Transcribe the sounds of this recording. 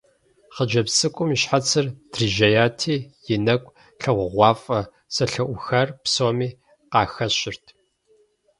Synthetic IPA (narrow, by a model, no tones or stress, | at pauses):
χəd͡ʒɐpsɨkʷʼʊmiɕħat͡sʰɨrd̥riʒɐjaːtʰiːjɪnɐkʷʼ | ɬɐʁʷʊʁʷɑːfʼɐ | sɐɬɐʔʷʊxɐrpsoːmiː | qɑːxɐɕʼɪrtʰ